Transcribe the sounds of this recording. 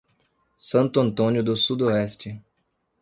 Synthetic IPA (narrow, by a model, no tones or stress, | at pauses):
sɐ̃nt̪ʊɐ̃nt̪õnjʊd̪ʊsud̪oɛst͡ʃɪ